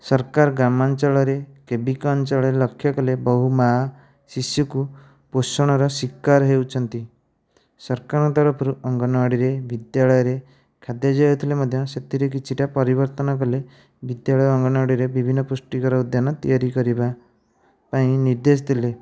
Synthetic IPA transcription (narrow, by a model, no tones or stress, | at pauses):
sɔɾkaɾɡɾamant͡ʃaɭɔɾekebikɔnt͡ʃɔɭɔelɔkʰːjɔkɔlebɔɦuma | sisjuku | posɔɽ̃ɔɾɔsikːaɾɦewt͡ʃʰɔnt̪i | sɔɾkaɾɔ̃t̪ɔɾɔpʰɔɾuʔɔŋɡɔnɔɽiɾebid̪jaɭɔjɔɾe | kʰad̪jad͡ʒajɔt̪ʰilemɔd̪ʱjɔset̪ʰiɾek̬it͡ʃʰiʈapɔɾibɔɾt̪ɔnɔk̬ɔle | bid̪jaɭɔjɔːŋɡɔnɔaɽiɾebibʱinːɔpusʈikɔɾɔud̪ʱjanɔt̪ijaɾikɔɾiba | paĩniɾd̪es̬t̪ʰile